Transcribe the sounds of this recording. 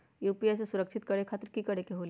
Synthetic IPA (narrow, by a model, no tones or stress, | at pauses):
juːpiesesʊɾəkʃʰɪt̪̚kɐɽekʰaːt̪ɾkikɐɽekeɦoːl